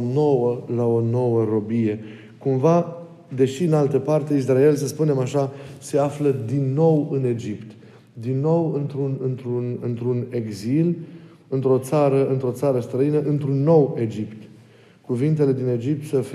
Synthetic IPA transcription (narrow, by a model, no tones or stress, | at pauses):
no̞wəlao̞no̞wəɾo̞bije̞ | kumva | d̪e̞ʃiɨnalt̪əpart̪eis̬rae̞lsəspune̞maʃase̞afləd̪inːo̞wɨne̞d͡ʒipt̪ | d̪inːo̞wɨnt̪ɾunɨnt̪ɾunɨnt̪ɾune̞ɡzil | ɨnt̪ɾo̞t̪saɾəɨnt̪ɾo̞t̪saɾəst̪ɾəinəʔɨnt̪ɾunːo̞we̞d͡ʒipt̪ | kuvint̪e̞le̞d̪ine̞d͡ʒip̚t̪səf